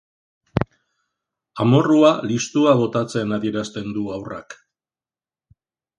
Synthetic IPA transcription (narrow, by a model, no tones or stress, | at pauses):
amo̞rualist̪uaβo̞t̪at͡se̞naðieɾast̪e̞nd̪uawra̰k